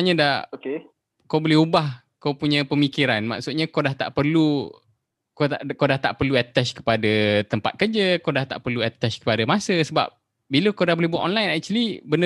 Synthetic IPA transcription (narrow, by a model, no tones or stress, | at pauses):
ɲədaoke | kawbolɛɦubah | kawpuɲə̃pəmikiɾanma̰ʔsʊt̪̚ɲakawdaht̪a̰ʔpərlu | kot̪akowdaht̪a̰ʔpərluɛt̪ɛt͡ʃkə̥padat̪əmpa̰t̪̚kərd͡ʒəkawdaht̪a̰ʔpərluɛt̪ɛt͡ʃkə̥padamasəsəba̰p̚ | biləkawdahbolɛhbua̰ʔ̪ɔnlajnak̚t͡ʃəlibəndə